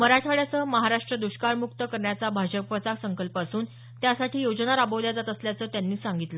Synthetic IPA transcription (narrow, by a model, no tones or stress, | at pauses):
məɾaʈʰaɭjat͡səːməɦaɾaʂʈɾəd̪uɕkaɭmuk̚t̪əkəɾɳjat͡sabʱaɕəkʋət͡saksəŋkəlpasuːn | t̪jasaʈʰiːjod͡ʑnaɾabəʋljad͡z̪at̪əsljat͡səːt̪janːiːsaŋɡit̪lə